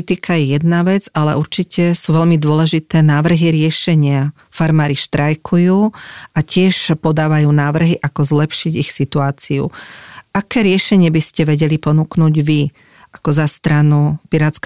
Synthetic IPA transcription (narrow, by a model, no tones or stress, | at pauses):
t̪ikʰajɛjɛd̪naʋɛd͡zalɛ̰ʔuɾt͡ʃicɛsuʋɛʎmid̪ʊɔlɛʒit̪ɛːnaːʋr̩ɦiɾɪɛʃɛɲɪa | faɾmaːɾiʃt̪ɾajkʰujuːʔacɪɛʃpɔd̪aːʋajuːnaːʋr̩ɦiʔakɔzlɛpʃiɟixsit̪uaːt͡siṵʔakɛːɾɪɛʃɛɲɪɛbiscɛʋɛɟɛlipɔnuːknuːɟʋi | ʔakɔzast̪ɾanupiɾat̪sk